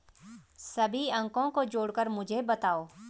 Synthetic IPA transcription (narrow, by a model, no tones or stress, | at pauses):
sɐbʱiɐ̃ŋkõkod͡ʒoːɽkəɾmʊd͡ʒʱebɐt̪aːoː